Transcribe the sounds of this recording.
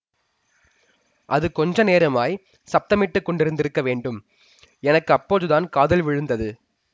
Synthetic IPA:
ʔɐðɯkɔɲd͡ʒɐneːɾɐmaːj | sɐp̚t̪ɐmɪʈːɯkːɔɳɖɪɾɯnd̪ɪɾɯkːɐʋeːɳɖɯm | ɛnɐkːɯɐpːoːðɯðaːnkaːðɐlʋɪɻɯnd̪ɐðɯ

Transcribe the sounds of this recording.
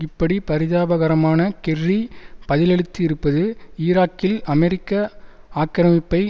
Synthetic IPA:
ɪpːɐɽipɐɾɪðaːbɐɣɐɾɐmaːnɐkɛrːipɐðɪlɛɭɯt̪ːiɪɾɯpːɐðɯiːɾaːkːɪlʔɐmɛɾɪkːɐ | aːkːɪɾɐmɪpːɐɪ

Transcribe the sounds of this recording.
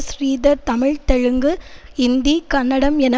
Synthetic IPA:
sɾiːðɐɾt̪ɐmɪɻt̪ɛɻɯŋɡɯɪnd̪ikɐnːɐɽɐmɛnɐ

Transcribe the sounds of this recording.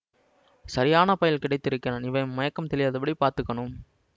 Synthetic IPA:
sɐɾɪjaːnɐpɐjɪlkɪɽɐɪt̪ːɪɾɯkːɐnɐnɪʋɐɪmɐjɐkːɐmt̪ɛɭɪjaːðɐpːɐɽipaːɾt̪ɯkːɐɳɯm

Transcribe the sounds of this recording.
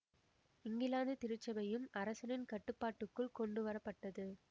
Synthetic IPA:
ɪŋɡɪlaːnd̪ɯt̪ɪɾɯt͡ʃːɐbɐjɯmɐɾɐsɐnɪnkɐʈːɯpːaːʈːɯkːɯɭkɔɳɖɯʋɐɾɐpːɐʈːɐðɯ

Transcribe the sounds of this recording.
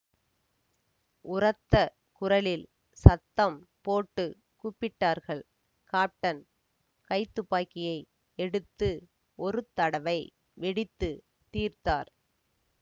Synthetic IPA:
ʊrɐt̪ːɐ | kʊrɐlɪl | sɐt̪ːɐmpoːʈːɯ | kupːɪʈːaːɾɣɐɭ | kaːp̚ʈːɐn | kɐɪt̪ːɯpːaːkɪjɐɪ | ɛɽɯt̪ːɯ | ʔɔɾɯt̪ːɐɽɐʋɐɪ | ʋɛɽɪt̪ːɯ | t̪iːɾt̪aːɾ

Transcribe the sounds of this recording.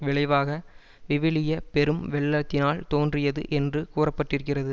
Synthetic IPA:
ʋɪɭɐɪʋaːɣɐ | ʋɪʋɪlɪjɐpɛɾɯmʋɛɭːɐt̪ːɪnaːlt̪oːndrɪjɐðɯ̰ʔɛndrɯkuːrɐpːɐʈːɪɾɯk̬ːɪrɐðɯ

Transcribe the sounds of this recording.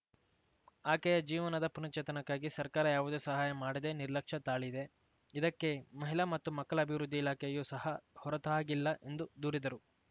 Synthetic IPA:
aːkɛjɐd͡ʒiːʋɐnɐd̪ɐpunɐt͡ʃɛːt̪ɐnɐkːaːɡisɐɾkaːɾɐjaːʋud̪eːsɐɦaːjɐmaːɽid̪e̞ːniɾlɐkʂɐt̪aːɭid̪e̞ | id̪ɐkːe̞mɐɦilɐmɐt̪ːumɐkːɐɭɐːbʱiʋɾud̪ʱːiːlaːkʰɛjɐjusɐɦɐhɔɾɐt̪ɐaːɡilːɐʔe̞nd̪ud̪uːɾid̪ɐɾu

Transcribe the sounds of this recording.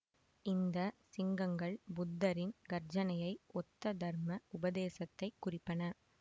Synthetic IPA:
ɪnd̪ɐsɪŋɡɐŋɡɐɭbʊd̪ːɐɾɪnɡɐɾd͡ʒɐnɐjɐɪɔt̪ːɐd̪ɐɾmɐʊbɐðeːsɐt̪ːɐɪkːʊrɪpːɐnɐ

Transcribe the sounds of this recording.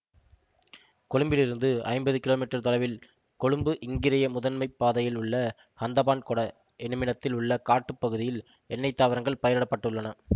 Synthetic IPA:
kɔɻɯmbɪlɪɾɯnd̪ɯɐ̰ɪmbɐðɯkɪloːmiːʈːɐɾt̪ɔɭɐʋɪl | kɔɻɯmbɯʔɪŋɡɪɾɐjɐmʊðɐnmɐɪpːaːðɐjɪlʊɭːɐ | hɐnd̪ɐbaːnkɔɽɐ | ɛnɯmɪnɐt̪ːɪlʊɭːɐkaːʈːɯpːɐɣɯðɪjɪl | ɛnːɐɪt̪ːaːʋɐɾɐŋɡɐɭpɐjɐɾɐɽɐpːɐʈːɯɭːɐnɐ

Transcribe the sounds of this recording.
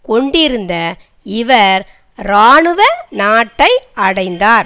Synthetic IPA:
kɔɳɖɪɾɯnd̪ɐ | ɪʋɐɾ | ɾaːɳɯʋɐnaːʈːɐɪɐɽɐɪnd̪aːɾ

